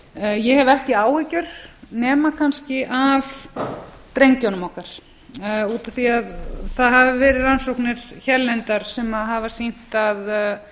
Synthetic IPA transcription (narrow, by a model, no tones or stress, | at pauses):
jɛhɛvɛhc̪ɪaːwhɛcʏɾ̥nɛːmakʰanscɪʔav | t̪ɾejŋcanʏmɔhkaɾ̥ | uːt̪aθiaðθaðɦavɪvɛːɾɪðɾansowhknɪɾ̥çɛɾlɛnt̪aɾ̥sɛmaðɦavasin̥t̪að